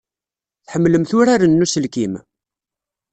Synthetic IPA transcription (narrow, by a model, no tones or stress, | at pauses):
θħəmːləmθʊɾaɾənːusəlkim